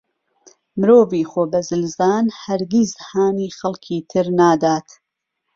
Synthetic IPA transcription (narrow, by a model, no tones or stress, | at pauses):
mɨɾoːviːxoːbɐzɨlzaːnhɐɾɡizhaːniːxɐlˠkʰiːt̪ʰɨɾnaːd̪aːt̪